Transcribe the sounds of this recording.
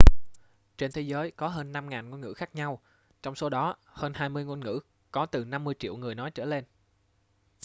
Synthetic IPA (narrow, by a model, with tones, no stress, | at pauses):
t͡ɕe˧nt̪ʰe˨˦jzəː˨˦jkɔ˨˦ɦəː˧nːa˧mŋaː˨˩nŋo˧nŋɨ̰˧˥xaː˦˥k̚ɲa˧w | t͡ɕɔ˧wŋ͡mso˨˦ɗɔ˨˦həː˧nhaː˧jmɨ˧əjŋo˧jnŋɨ̰˧˥ | kɔ˨˦t̪ɨ˨˩na˧mːɨ˧əjt͡ɕḭ˧˨wŋɨ˨˩əjnɔ˨˦jt͡ɕə̰ː˧˩le˧n